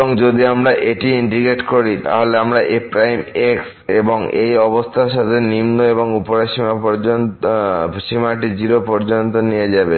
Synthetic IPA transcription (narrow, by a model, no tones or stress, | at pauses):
oŋd͡ʑod̪iamɾaʔeʈiiɳʈiɡeʈkoɾit̪a̰ɦoleamɾaʔepɾajmeks | eboŋḛjɔbost̪ʰaɾʃat̪ʰenimnoeboŋupoɾaʃimapon | ʃimaʈ̬id͡ʑiɾopɔɾd͡ʑont̪onijed͡ʑabe